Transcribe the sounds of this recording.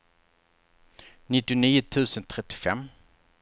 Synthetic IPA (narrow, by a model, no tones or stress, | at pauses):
nɪt̪ːɪʊniːʊt̪ʰʉ̟ːsənt̪ʰɾɛt̪ːɪ̥fɛ̰mː